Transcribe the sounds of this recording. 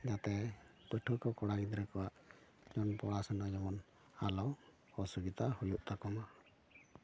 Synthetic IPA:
d͡ʒat̪ɛpəʈʰɔkɔkɔɽaɡid̪ɾɛkɔwaʔd͡ʒɔnpɔɽasənad͡ʒɔmɔn | alɔw | ɔsuɡit̪ahujuʔt̪akɔma

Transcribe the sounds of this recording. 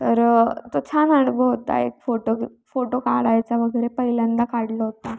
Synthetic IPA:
t̪əɾt̪ot͡ɕʰanaɽbəɦot̪a̰ḛk̚foʈo | foʈokaɽajt͡saʋəɡəɾepəɦiljand̪akaɽlɔɦot̪a

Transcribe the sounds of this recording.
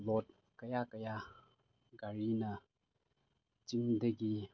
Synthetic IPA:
lɔt̚ | kəjakəja | ɡaɾinə | t͡ʃiŋdəɡi

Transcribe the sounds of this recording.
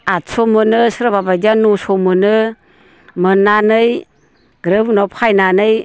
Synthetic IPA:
atsomɯnɯsɾababajd͡ʒanusɔmɯnɯ | mɯnːanɯj | ɡɾɯbnɔpʰajnanɯj

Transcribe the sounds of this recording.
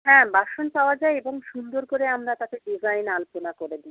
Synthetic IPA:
ɦɛ̃baʃonpaoad͡ʑaeeboŋʃund̪oɾkoɾeamɾat̪akeɖizajnalponakoɾed̪i

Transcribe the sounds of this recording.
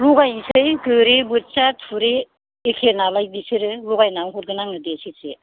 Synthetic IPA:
ɾuɡajsɯjkɯɾebɯt͡ʃatʰuɾeː | kʰenalajdisɯɾɯɾuɡajnawɦut̚ɡɯnaŋɯdesise

